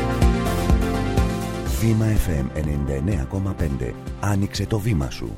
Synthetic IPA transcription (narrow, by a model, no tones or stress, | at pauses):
vimɐefe̞me̞nenind̪ɐene̞ɐ̰ko̞mɐpe̞nd̪e̞̰ɐnikse̞t̪o̞vimɐ̰sṵ